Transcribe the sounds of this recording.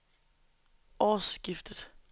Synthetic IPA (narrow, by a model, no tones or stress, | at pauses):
ʔɒːsɡ̥ifd̥əð̥̩ˠ